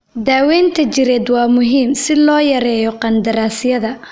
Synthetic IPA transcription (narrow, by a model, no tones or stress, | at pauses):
d̪aːwɛːnt̪ʰɐt͡ʃɪɾɛːd̪wɑːmʊɦiːmsɪlɔːjɐɾɛːjɔqɑnd̪ɐɾaːsɪjɐðɐ